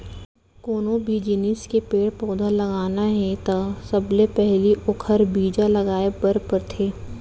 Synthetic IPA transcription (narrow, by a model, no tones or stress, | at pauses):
koːnõbʱid͡ʒɪnɪskepeːɽpɔːd̪ʱalɐɡaːnaɦɛ̃t̪asɐblepɛɦliʔʊkʰəɾbʱiːd͡ʒalɐɡaːebɐɾpɐɾt̪ʰeː